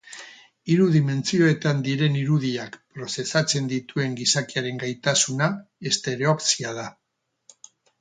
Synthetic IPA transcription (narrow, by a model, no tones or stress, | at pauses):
iɾuðime̞nt͡sio̞e̞t̪and̪iɾe̞niɾuðiakpɾo̞se̞sat͡se̞nd̪it̪ue̞ŋɡisakiaɾe̞ŋɡajt̪asunae̞st̪e̞ɾeopsiað̞a